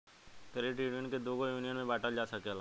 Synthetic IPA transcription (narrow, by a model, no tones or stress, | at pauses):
kəɾeːʈiːɖənked̪oːɡojuːnijənmẽbaːʈad͡ʒaːsɐkela